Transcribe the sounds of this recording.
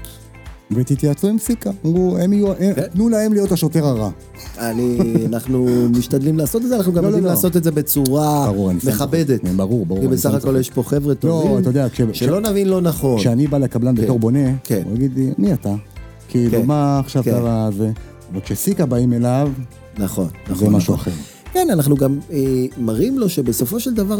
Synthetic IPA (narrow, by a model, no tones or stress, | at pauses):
vet̪it̪jat͡suemsikamuemijuaʔetnulahe̞mlijo̞t̪haʃo̞te̞ʁaʁa | anianaχnumiʃt̪ad̪limlaːsot̪etzeanaχnuɡamoloimlasot̪etzebet͡suʁabaʁuʁanismeχabed̪etbaʁuʁbaʁukiabesaχako̞ljeʃpoχevʁet̪oloatajod̪eakʃeʃʃeelonavinlonaχo̞kʃeanibalekablanbet̪o̞ʁbo̞ne̞keaɡid̪lia̰niat̪a | kʰiːlumaːχʃavkavaze | vekʃesikabaime̞lav | naχo̞̰nazoemaʃua̰χeʁ | kenanaχnuɡamemaʁimlo̞ʃebeso̞fo̞ʃeld̪avaʁ